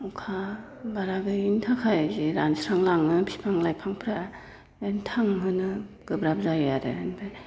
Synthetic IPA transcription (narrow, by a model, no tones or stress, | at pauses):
ukʰa | baɾaɡɯintʰakʰajzeɾansɾaŋlaŋnɯpʰi̥pʰaŋlajpʰaŋpʰɾa | entʰaŋɦɯnɯ | ɡ̥ɯbɾap̚zajjaɾḛandɯ